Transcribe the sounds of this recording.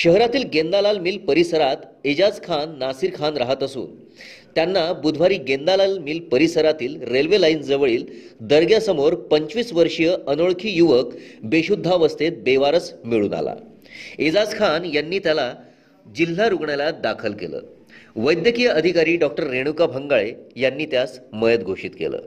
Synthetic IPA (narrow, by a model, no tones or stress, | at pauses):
ɕəɦɾat̪iːlɡend̪alalmiːlpəɾisəɾat̪ | ed͡ʑad͡zkʰanːasiːɾkʰanɾaɦət̪əsṵːn | t̪janːabud̪ʱʋaɾiːɡend̪alalmiːlpəɾisəɾat̪iːlɾelʋelaind͡zəʋɭiːld̪əɾɡjasəmoɾpəɲt͡ɕʋiːsʋəɾʂjəʔənoɭkʰiːjuʋəkbeɕud̪ʱːaʋəst̪et̪̚beʋaɾət͡smiɭuːna̰la̰ | ed͡zad͡zkʰanjanːiːt̪jala | d͡ʑil̤ːaɾuɡɳalad̪akʰəlkḛlə̰ː | ʋəjd̪jəkijəəd̪ʱikaɾiːɖɔk̚ʈəɾːeɽ̃ukabʱəŋɡaɭejanːiːt̪jasməjəd̪̚ɡʱoʂiːt̪kḛlə̰ː